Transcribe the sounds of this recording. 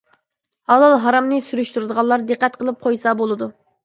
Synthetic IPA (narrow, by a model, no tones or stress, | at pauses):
hɑlˠɑlˠɦɑɾɑmnɨsyɾyʃt̪uɾd̪əʁɑlˠːɑɾd̪ɨqːɛt̪qʰəlˠɨp̚qʰojsɑbolˠɨd̪u